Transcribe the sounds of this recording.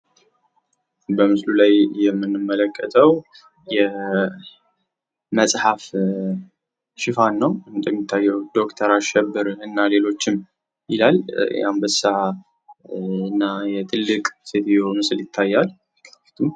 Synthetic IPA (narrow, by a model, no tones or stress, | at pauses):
bəmɨslulajjɛmːɨnːɨmːələkʼːət̪ʼəw | jɛ | məsʼħaf | ʃɪfanːəwt̪ʼmːit̪ʰːajːɛwd̪o̞kt̪ʰəɾaʃɛbːɨɾɨnːale̞lo̞t͡ʃːɪm | jɪlaljambəsa | ɨnːajɛt̪ʰɨlːɨkʼset̪jomɨsljɪt̪ʰːajːal | t̪ʰu